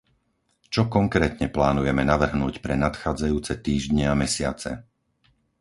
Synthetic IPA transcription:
t͡ʃɔkɔŋkɾɛːt̪ɲɛplaːnujɛmɛnaʋr̩ɦnuːcpɾɛnat̪xaːd͡zajuːt͡sɛt̪iːʒdɲɛamɛsɪa̰t͡sɛ̰

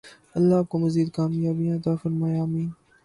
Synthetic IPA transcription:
ɐlːaaːp̚komɐziːd̪̚kaːmjaːbij̃ɐt̪aːfɐɾmaːjaːmĩːn

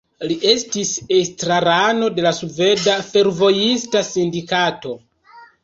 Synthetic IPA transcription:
liʔe̞stisestɾaɾano̞de̞lasuve̞dafe̞ɾvo̞jistasindikato̞

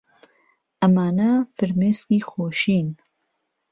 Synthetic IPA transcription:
ʔɐmaːnɐfɨɾmeːskiːxoːʃiːn

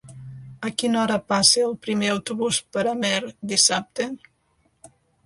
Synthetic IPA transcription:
əkinɔɾəpaseəlˠpɾimeəwt̪uβuspəɾəmɛɾd̪isap̚t̪e

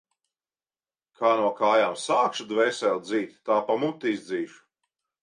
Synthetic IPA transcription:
kʰaːnuɔkaːjaːmsaːkʃud̪vɛːsɛlˠd̪ziːt̪ʲːaːpamut̪ːiizd̪ziːʃu̥

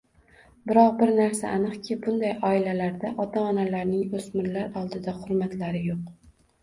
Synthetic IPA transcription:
bɪɾɒqbɪɾnaɾsa̰ʔːnɨqkʲʰɪbʊnd̪ajɒɪlalaɾd̪aʔɒt̪ʰaːnalaɾnɪŋɵsmɪɾlaɾɒlˠd̪ɪd̪aχʊɾmat̪laɾɪjoq̚

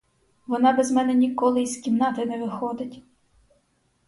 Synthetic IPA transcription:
ʋɔnɑbɛzmɛnɛnʲikɔlˠɪizkʲimnɑt̪ɪnɛʋɪxɔd̪ɪtʲ

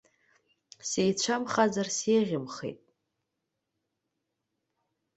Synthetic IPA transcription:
sejt͡ɕʷʰamχazarseʁʲɪmχḛjtʼ

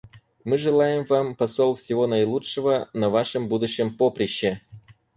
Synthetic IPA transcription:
mɨʐɨlˠajɪmvampɐsolˠfʲsʲɪvonajlˠutʂəvənɐvaʂɨmbud̪ʊɕːɪmpopɾʲɪɕːe

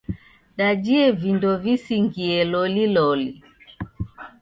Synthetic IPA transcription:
ɗad͡ʒiɛvindɔvisiŋɡiɛlɔlilɔli

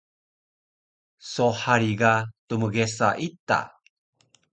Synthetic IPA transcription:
soħaɾiɡatuməɣesa̰ʔita̰

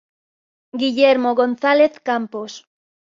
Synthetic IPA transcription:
ɡiʎeɾmoɣonθaleθkampos

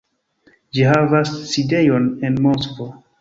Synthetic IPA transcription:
d͡ʒiɦavasːide̞jo̞ne̞nmo̞skvo

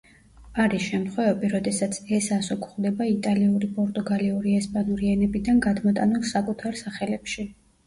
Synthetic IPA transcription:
aɾisʃɛmt̪χwɛvɛbiɾɔd̪ɛsat̪sʰɛsasɔkʰχd̪ɛbait̪ʼaliuɾipʼɔɾt̪ʼuɡaliuɾiɛspʼanuɾiɛnɛbid̪anɡad̪mɔt̪ʼanulˠsakʼut̪ʰaɾsaχɛlɛpʃi

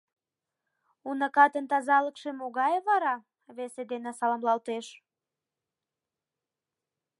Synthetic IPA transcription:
unəkɑt̪ənt̪ɑzɑləkʃemoɣɑjβɑɾɑ | βesed̪enesɑlɑmlɑlt̪eʃ

